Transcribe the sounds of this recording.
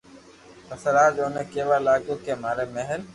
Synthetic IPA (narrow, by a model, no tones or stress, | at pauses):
əsəɾaːd͡ʒoːneːkeːʋaːlaːɡoːkeːmaːɾeːmeɦəl